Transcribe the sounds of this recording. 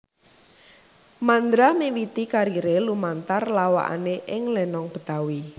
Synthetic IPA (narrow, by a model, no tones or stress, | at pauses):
mand̪ɾamewit̪ikaɾiɾelumant̪arlawa̰ʔa̰neʔɪŋlɛnɔŋb̥ə̤̥t̪awi